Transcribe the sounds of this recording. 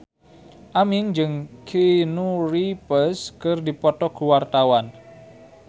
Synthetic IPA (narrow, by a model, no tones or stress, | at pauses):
ʔamɪŋd͡ʒɨŋkʰenuripəskərdipɔt̪ɔkuwart̪awan